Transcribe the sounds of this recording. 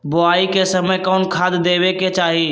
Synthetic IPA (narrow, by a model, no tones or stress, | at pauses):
bʊaːikesəməjkɔːnkʰaːd̪d̪eːʋeket͡ʃaːɦi